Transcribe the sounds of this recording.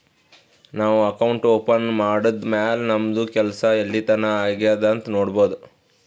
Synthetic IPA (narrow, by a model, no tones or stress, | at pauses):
naːʋuɐkɐwuɳʈoːpɐnmaːɽud̪maːlnɐmd̪ukɛlsɐelːit̪ɐnɐaːɡjaːd̪ɐnt̪noːɽboːd̪u